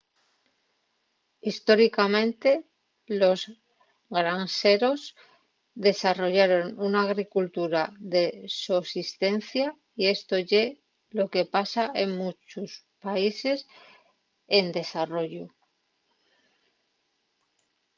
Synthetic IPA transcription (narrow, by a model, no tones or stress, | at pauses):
ist̪o̞ɾikamẽ̞nt̪e̞ | lo̞z | ɡɾanse̞ɾo̞z | ðe̞saro̞ʝaɾo̞nunaːɣɾikult̪uɾaðe̞susist̪e̞n̟θja | ie̞st̪o̞ʝe̞ | lo̞ke̞pasaʔe̞ŋmut͡ʃus | paise̞s | end̪e̞saro̞ʝu